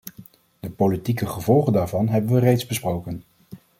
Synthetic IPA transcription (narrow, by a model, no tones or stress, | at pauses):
d̥əpolitikəχəvɔlˠχəndaːɹvɑnɦɛbənʋərejtzbəsprowkən